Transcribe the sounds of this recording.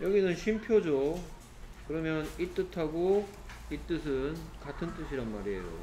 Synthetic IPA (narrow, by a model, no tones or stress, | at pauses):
jʌɡinɯnɕʰimpʰjod͡ʑo | kɯɾʌmjʌnit͈ɯtʰaɡo | it͈ɯsʰɯnkatʰɯnt͈ɯɕʰiɾanmaɾiḛjo̰